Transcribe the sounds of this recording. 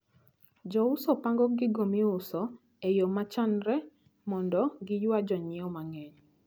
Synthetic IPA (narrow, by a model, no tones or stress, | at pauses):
d͡ʒɔʊsɔpaŋɡɔɡɪɡomiʊsɔ | ejomat͡ʃanɾɛ | mɔndɔɡɪjwad͡ʒɔɲɪɔmaŋɛɲ